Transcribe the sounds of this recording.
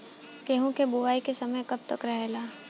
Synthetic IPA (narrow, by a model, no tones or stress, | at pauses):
keɦõkeboʋaːikesɐməjkɐb̚t̪ɐkɾɐɦelaː